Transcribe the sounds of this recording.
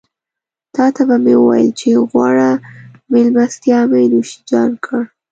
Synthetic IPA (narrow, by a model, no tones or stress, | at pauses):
t̪ɑt̪ʰabamewə̰wɑ̰jəlt͡ʃeɣwɑ̰ɽa | mɪlmast̪jɑmenuʃi̥d͡ʒɑnkʰəɽ